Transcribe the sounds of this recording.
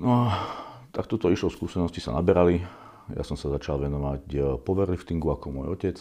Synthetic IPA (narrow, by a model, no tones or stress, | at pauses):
nɔat̪ak̚t̪ɔt̪ɔiʃlɔskuːsɛnɔscisa̰nabɛɾali | ja̰sɔmsazat͡ʃalʋɛnɔʋacpɔʋɛɾlift̪iŋɡuakɔmʊɔjɔcɛt͡s